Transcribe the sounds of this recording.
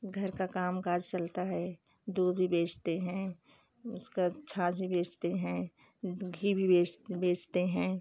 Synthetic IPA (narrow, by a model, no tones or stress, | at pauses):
ɡʱɐɾkakaːmkaːd͡ʒt͡ʃəlt̪aɦɛː | d̪uːd̪bʱibeːt͡ʃt̪eɦɛ̃ | ʊskat͡ʃʰãːsbʱibeːt͡ʃt̪eɦɛ̃ | ɡʱibʱibeːt͡ʃbeːt͡ʃt̪eɦɛ̃ː